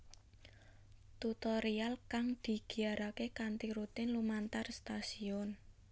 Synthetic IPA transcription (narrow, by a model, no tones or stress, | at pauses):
t̪ut̪ɔɾialkaŋd̪̥i̤ɡ̥i̤aɾakekant̪iɾut̪ɪnlumant̪arst̪asiɔn